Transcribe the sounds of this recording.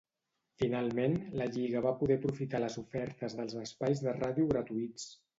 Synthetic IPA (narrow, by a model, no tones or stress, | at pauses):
finalˠmenləʎiɣ̞əβapuðɛpɾufit̪aləzufɛɾt̪əzðəlˠzəspajzðəraðiuɣɾət̪uit͡s